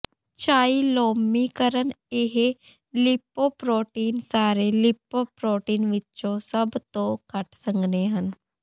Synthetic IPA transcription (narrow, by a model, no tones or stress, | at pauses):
t͡ʃaːiloːmːikəɾən | eɦe | lipːoːpɾoːʈiːnsaːɾelipːopɾoːʈiːnʋɪtːt͡ʃosəbt̪oːkəʈsəŋɡneːɦən